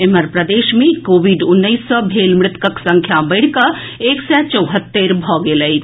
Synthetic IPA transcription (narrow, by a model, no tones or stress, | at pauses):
eməɾpɾəd̪eʃmẽkoːbiɖunːəisːəbʱelmɾɪt̪kəksə̃ŋkʰjabəɪɽ̤kə | eksɛt͡ʃəwɦət̪ːeɾbʱɔɡeləj